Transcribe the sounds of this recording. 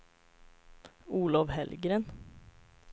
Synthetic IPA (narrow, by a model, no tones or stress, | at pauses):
uːlɔʋhɛlɡɾən